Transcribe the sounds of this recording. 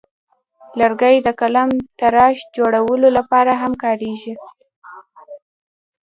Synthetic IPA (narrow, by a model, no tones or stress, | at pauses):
laɾɡajd̪əkalamt̪aɾɑʃd͡ʒoɽawəlolapɑɾaɦamkɑɾeʒi